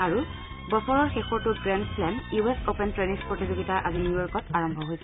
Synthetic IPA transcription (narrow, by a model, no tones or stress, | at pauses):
aɹu | bɔpɔɹɔɹxexɔɹtutɡɹendpʰlɛnjuesopɛntɹenispɹotizoɡitaʔazinujɔɹkɔtaɹɔmbʱɔɦojs